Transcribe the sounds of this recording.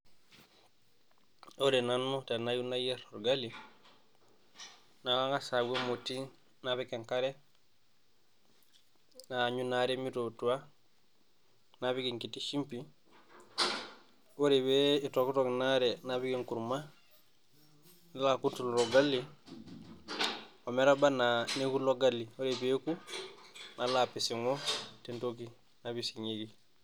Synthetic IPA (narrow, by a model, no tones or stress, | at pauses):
oɾenanːotanajunajeloɾɡalːi | nalaŋasaɡemoti | naβikeŋkaɾe | naɲunaɾemitotua | naβiɡiŋkitiʃimpi | woɾebeitokutoknaɾenabiɡiŋkuɾma | nalakutulɾoɡalːi | omeɾabananekuloɡalːiwoɾebeku | nalaːpisiŋotentoki | nabisiɲiɡi